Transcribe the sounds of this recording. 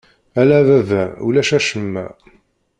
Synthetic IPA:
ælævævæṵlæʃæʃəmːæ̰

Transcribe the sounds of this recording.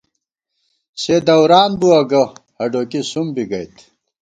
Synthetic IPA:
sed̪ɐwɾaːnbuɐɡɐhɐɖoːkisumbiɡɐjt̪

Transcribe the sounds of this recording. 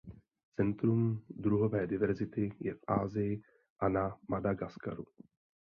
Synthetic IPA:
t͡sɛnt̪ɾumdɾuɦo̞vɛːdɪvɛɾzɪt̪ɪjɛfʔaːzɪjɪ | ʔanamadaɡaska̰ɾu

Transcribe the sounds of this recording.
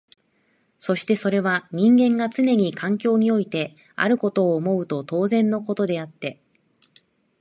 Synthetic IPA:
so̞ɕi̥t̪e̞so̞ɾe̞β̞aɲ̟ĩŋɡẽ̞ŋɡat͡sɨne̞ɲ̟ikʰãŋkʲo̞ːɲ̟io̞it̪e̞ | a̰ɾɯ̟ko̞t̪o̞ːmo̞ɯ̟t̪o̞t̪o̞ːzẽ̞nːo̞ko̞t̪o̞d̪e̞at̪ːe̞

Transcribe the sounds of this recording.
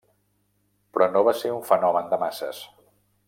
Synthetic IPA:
pɾɔnoβaseuɱfənɔmənd̪əmasə̰s

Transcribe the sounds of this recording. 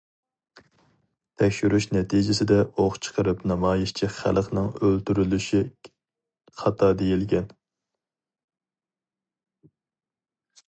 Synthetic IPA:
t̪ʰɛkʲʃyɾyʃnɛt̪ʰid͡ʒɪsɪd̪ɛʔoχt͡ʃʰə̥qəɾɨpnɑmɑːjiʃt͡ʃʰiχæ̰lˠqnɨŋølt̪yɾylyʃi | χɑt̪ʰɑːd̪ejilɡʲɛn

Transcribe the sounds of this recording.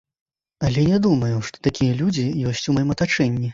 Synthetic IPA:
ɐlʲɛnʲɛd̪umɐjuʂt̪ɔ̥t̪akʲijɐlʲud͡zʲijɔsʲt͡sʲumajɔmɐt̪at͡ʂɛnʲːi

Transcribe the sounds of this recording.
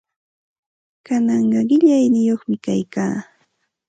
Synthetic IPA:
kanɑɴɢɑɢɪʎajnɪjoχmɪkajkaː

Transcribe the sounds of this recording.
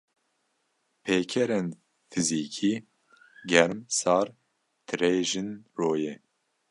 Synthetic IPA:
pʰeːkʰɛɾen | fʰɨziːkʰiː | ɡɛɾmsɑːɾ | t̪ʰɨɾeːʒɨnroːjɛː

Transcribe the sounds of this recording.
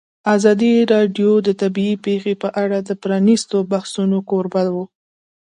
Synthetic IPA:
azɑd̪iɾɑɖjod̪ət̪abiːpexepəʔaɽad̪əpɾɑnist̪obahsunokoɾbalwu

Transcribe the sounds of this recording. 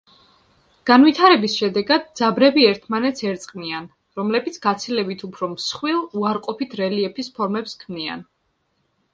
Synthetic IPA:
ɡ̥anwit̪ʰaɾɛbisʃɛd̪ɛɡad̪̚d̪zabɾɛbiɛɾt̪ʰmanɛt̪sʰɛɾt̪sʼqʼnian | ɾɔmlɛbit̪sʰɡat̪sʰilɛbit̪ʰupʰɾɔmsχwilˠuaɾqʼɔpʰit̪ʰɾɛliɛpʰispʰɔɾmɛpskʰmnia̰n

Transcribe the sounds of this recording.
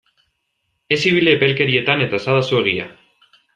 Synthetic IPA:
e̞siβ̞ileːpelke̞ɾie̞t̪ane̞t̪aesaðasue̞ɣ̞ia̰

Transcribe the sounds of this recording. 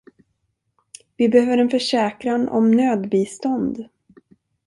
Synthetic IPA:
vɪbɛhøːvəɾɛnfœʂɛːkɾanʔɔ̰mnøːd̪biːst̪ɔnd̪

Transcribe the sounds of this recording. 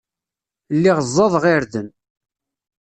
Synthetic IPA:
lːiʁəzˤːɑðˤʁiɾðən

